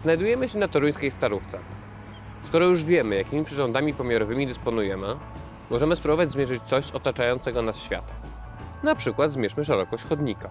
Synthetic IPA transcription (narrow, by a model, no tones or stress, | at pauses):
znajd̪ujɛmɘɕɛnat̪ɔɾujskʲejst̪aɾuft̪sɛ̰ | skɔɾɔjuʐvʲjɛmɘjakʲimʲipʂɘʐɔnd̪amʲipɔmʲjaɾɔvɘmʲid̪ɘspɔnujɛmɘ | mɔʐɛmɘspɾubɔvad͡ʑzmʲjɛʐɘt͡ɕt̪sɔɕɔt̪at͡ʂajɔnt̪sɛɡɔnasɕfʲja̰t̪ɛm | napʂɘkwad̪zmʲjɛʂmɘʂ̬ɛɾɔkɔɕt͡ɕxɔd̪ɲika